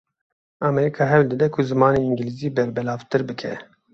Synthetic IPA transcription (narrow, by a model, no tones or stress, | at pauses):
ɑːmɛɾiːkʰɑːɦɛwld̪ɨd̪ɛkʰʊzɨmɑːneːiŋɡiliziːbɛɾbɛlɑːvt̪ɨɾbɨkʰɛ